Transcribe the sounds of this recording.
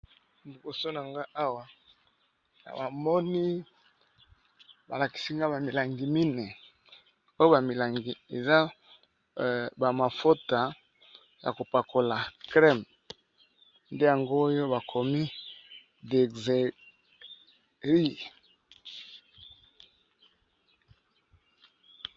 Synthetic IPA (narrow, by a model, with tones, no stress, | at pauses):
ndu˨ko˨so˦na˨ŋɡa˦ʔa˦wa˨ | a̰˨ba˨mɔ˦ni˦ | ba˨la˨ki̥˨si˦ŋɡa˦ba˨mi˨la˨ŋɡi˨mi˦ne˨ | o˦jo˦ba˨mi˨la˨ŋɡi˨e˨za˦ | ba˨ma˨fo˦ta˨ | ja̰˨ko˨pa˨kʰo˨la˨kʁɛ˦m | nde˦ja˨ŋɡoː˦jo˦ba˨kʰo˨mi˦ | de˨ɡze˨ | ʁi˦